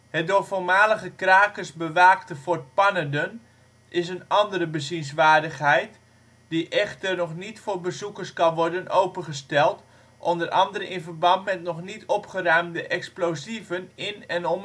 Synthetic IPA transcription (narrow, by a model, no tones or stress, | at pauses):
hɛt̚doːrfoːrmaːləχəkraːkəsbəʋaːktəfoːr̚pɑnədən | ɪs̬ənɑndəɾəbəzins̬ʋaːrdəχɦɛjt | diʔɛχtərnɔχnitfoːɹbəzukərskɑnʋɔrdənowpənχəstɛlˠt | ʔɔndərʔɑ̰ndəɾəʔɪnvərbɑntmɛtnɔχnitʰɔpχərœɥmdəʔɛksplowzivənɪnɛnɔm